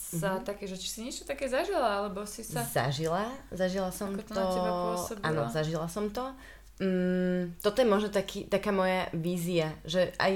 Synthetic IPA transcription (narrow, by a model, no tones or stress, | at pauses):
sat̪akɛːʒɛt͡ʃi̥siɲɛt͡ʃɔt̪akɛːzaʒilaalɛbɔsisaza̰ʒilazaʒilasɔmt̪ɔɔba̰nɔzaʒilasɔmt̪ɔ | m̩t̪ɔt̪ɔjɛmʊɔʒnɔt̪akʰiːt̪akaːmɔjaʋiːziaʒɛʔa̰j